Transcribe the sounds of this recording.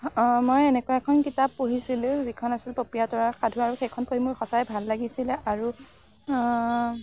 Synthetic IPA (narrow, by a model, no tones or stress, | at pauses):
mojɛnɛkʊaɛkʰɔnkitapːoɦisilʊ̃zikʰɔnasilpopijatɔɹaxadʱuaɹuxejkʰɔnpoɦimʊɹxɔsajɛbʱalːaɡisilɛʔaɹu